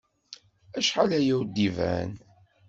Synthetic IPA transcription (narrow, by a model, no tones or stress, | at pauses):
æʃħalæjæwd̪ivæ̰n